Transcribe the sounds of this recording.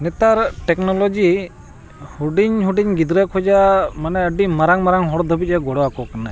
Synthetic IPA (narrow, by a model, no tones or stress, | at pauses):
nɛt̪aɾʈɛknɔlɔd͡ʒi | huɖiɲɦuɖiɲɡid̪ɾɛkʰɔd͡ʒamanɛəɖimaɾaŋmaɾaŋɦɔɽd̪ʱɔbit̪̚ˀɛɡɔɽɔakɔkana